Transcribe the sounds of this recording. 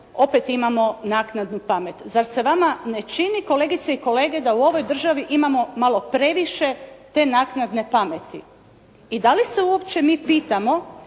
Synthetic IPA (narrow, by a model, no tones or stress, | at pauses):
o̞pet̪imamo̞naːknad̪nupamet̪zaɾse̞ʋamane̞t͡ʃiniko̞le̞ːɡit̪seiko̞le̞ːɡe̞d̪auo̞ʋo̞jd̪r̩ʒaʋiʔimamo̞malˠo̞pɾe̞ʋiʃe̞t̪e̞naːknad̪ne̞pamet̪ḭ | id̪alise̞uo̞pt͡ɕe̞miːpiːt̪amo̞